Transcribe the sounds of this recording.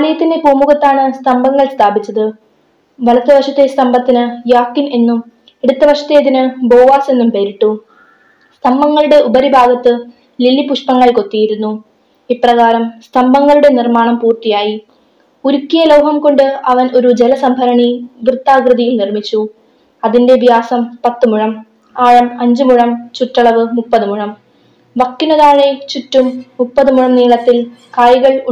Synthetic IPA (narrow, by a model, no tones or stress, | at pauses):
ɐlɐjɐt̪ːinde̞puːmuɣɐt̪ːaːɳɨst̪ʰɐmbɐŋːɐɭst̪ʰaːbit͡ɕːɐðɨ | ʋɐlɐt̪ːɐʋɐʂɐt̪ːe̞st̪ʰɐmbɐt̪ːinɨjaːkːine̞nːum | e̞ɽut̪ːɐʋɐʂɐt̪ːe̞ːðinɨbo̞ːʋaːse̞nːumpeːɾiʈːu | st̪ʰɐmbɐŋːɐɭuɽe̞ʔubɐɾibʱaːɡɐt̪ːɨ | lilːipuʂpɐŋːɐɭko̞t̪ːijiɾunːu | iprɐɣaːɾɐmst̪ʰɐmbɐŋːɐɭuɽe̞nirmaːɳɐmpuːrt̪ijaːji | uɾukːijɐlɐwɦɐmko̞ɳɖɨɐʋɐno̞ɾud͡ʑelɐsɐmbʱɐɾɐɳiʋrɨt̪ːaːɡrɨðɐjilnirmit͡ɕːu | ɐðinde̞bʱjaːsɐmpɐt̪ːɨmuɻɐm | aːɻɐmɐɲd͡ʑɨmuɻɐmt͡ɕuʈːɐɭɐʋɨmupːɐðɨmuɻɐm | ʋɐkːinːɐðaːɻet͡ɕutːumːupːɐðɨmuɻɐmniːɭɐt̪ːil | kajɣɐɭu